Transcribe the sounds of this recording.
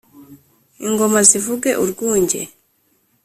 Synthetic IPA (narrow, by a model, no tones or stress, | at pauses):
iŋɡomazivuɡeʔuɾɡuːɲɟḛ